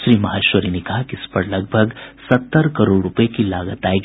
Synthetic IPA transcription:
ʃɾiːmɐɦaːʃʋəɾinekɐɦakiɪspəɾlɐɡ̚bʱəɡsɐt̪ːəɾkəɾoːɽɾʊpəekilaːɡət̪aːjɡ

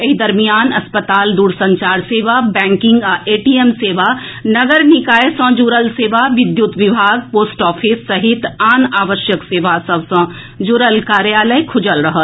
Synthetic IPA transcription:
ɐɦid̪ɐɾmijaːnɐspət̪aːld̪uːɾsɐ̃ɲt͡ʃaːɾseːʋabɛ̃ːŋkɪ̃ŋɡeːʈiːemseːʋa | nɐɡəɾnɪkaːjesɔ̃d͡ʒuːɾəlseːʋaʋɪd̪jʊt̪ʋɪbʱaːɡ̚poːsʈɔːfʰɪsːɐɦɪt̪aːnaːʋəʃjəkseːʋasɐʋsɔ̃ | d͡ʒuːɾəlkaːɾjaːləjkʰʊd͡ʒəlɾɐɦə

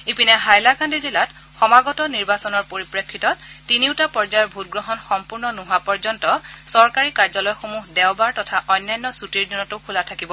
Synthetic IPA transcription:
ipinɛɦajlakʰandizilat | xɔmaɡɔtɔniɹbasɔnɔɹpoɹipɹekʰːitɔttːiniwtapɔɹzajɔɹbʱut̚ɡɹɔɦɔnxɔmpuɹnɔnuɦapɔɹzɔntɔsɔɹkaɹikaɹzɔlɔjxomuɦdɛwbaɹtɔtʰaʔɔjnːajnːɔsutiɹdinɔtʊkʰulatʰakibɔ

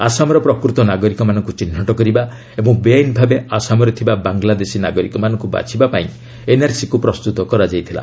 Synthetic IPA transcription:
a̰samɔɾɔpɾɔkɾut̪ɔnaɡɔɾikɔmanɔŋkut͡ʃin̤ːɔʈɔkɔɾiba | ebɔŋbeajnbʱabeasamɔɾɔt̪ʰibabaŋɡlad̪esinaɡɔɾikɔmanɔ̃ŋkuba̰t͡ʃʰibapaĩ | enaɾsikupɾɔst̪ut̪ɔkɔɾad͡ʒajt̪ʰila̰

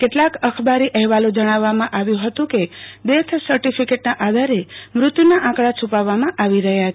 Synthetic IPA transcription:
keʈlakəkʰbaɾiʔəɦʋalod͡ʒəɽ̃aʋːamãʔaʋjũɦət̪ũked̪et̪ʰsəɾʈifikeʈnaʔad̪ʱaɾemɾʊt̪junaʔãkɭat͡ʃʰupaʋːamãʔaʋiɾəɦja

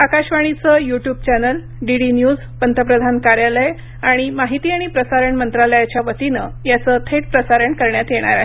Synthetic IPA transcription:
akaɕʋaɽ̃it͡səjuʈjuːb̚t͡ɕænəl | ɖiɽinjuːd͡z | pənt̪ʰəpɾəd̪ʱankaɾjale | aɽ̃imaɦit̪iːaɽ̃ipɾəsaɾəɳmənt̪ɾaləjat͡ɕjaʋət̪inəjat͡sət̪ʰeʈ̚pɾəsaɾəɳkəɾɳjat̪jeɽ̃a̰ɾaɦe

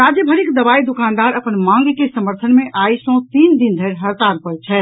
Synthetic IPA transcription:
ɾad͡ʒjəbʱəɾikd̪əbaid̪ukand̪aɾəpənmãŋɡkesəməɾt̪ʰənmeʔajsɔ̃t̪ind̪ind̪ʱeɾɦəɾt̪aɾpəɾt͡ʃʰɛ

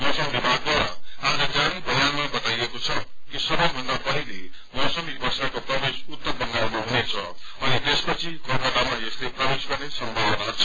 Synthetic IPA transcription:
mʌsʌ̃ŋbibʱaɡ̪̚ɡʌɾʌaeɡaɾipʌljanmabʌt̪ajekot͡sʰʌkisʌbʌjbʱʌnd̪apʌɦilemʌsʌmibʱʌsakoprʌbesut̪ːʌmbʱʌnɡ̪aɾneɦunet͡sʰʌʌnit̪espʌt͡sʰikʌrpʌd̪amaesleprʌbesɡʌrnesʌmbʱabʌnat͡sʰʌ

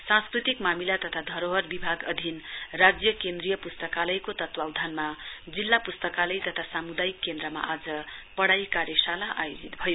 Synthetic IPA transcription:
sãskrit̪ikmamilat̪ʌt̪ʰad̪ʱʌɾoɦʌrbibʱaɡʌd̪ʱinrad͡zjʌkend̪rijʌpust̪ʌkalʌjkot̪ʌt̪wawd̪ʱanmad͡zilːapust̪ʌkalʌjt̪ʌt̪ʰasamud̪ajikːend̪ɾʌma̰ʔad͡zʌpʌɽajkaɾjʌsalaʔajod͡zit̪bʱʌjo

